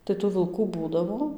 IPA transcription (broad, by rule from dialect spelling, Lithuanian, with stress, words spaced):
tɐɪ tuː ʋʲɪlˠˈkuː ˈbuːdɐʋoː